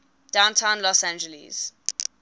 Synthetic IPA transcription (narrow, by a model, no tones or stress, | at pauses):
d̥ãʊ̃ntʰãʊ̃nlɔsæ̃nd͡ʒəlḭz̥